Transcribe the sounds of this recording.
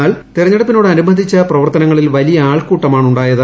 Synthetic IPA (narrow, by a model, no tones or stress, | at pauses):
aːɭt̪irɐɲːɐɽɐpːino̞ːɽeɐnumɐnd̪ʱit͡ɕːɐprɐʋɐrt̪ɐnɐŋːɐɭilʋɐlijɐaːɭkuːʈːɐmaːɳuɳɖaːjɐðɨ